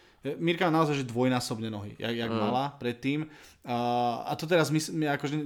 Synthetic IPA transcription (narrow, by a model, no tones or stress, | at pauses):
miɾkamaːnaɔzajʒɛd̪ʋɔjnaːsɔbɲɛnɔɦḭja̰jaɡmalapɾɛt̪ːiːmː | a̰t̪ɔt̪̬ɛɾazmismɛakɔʒɛ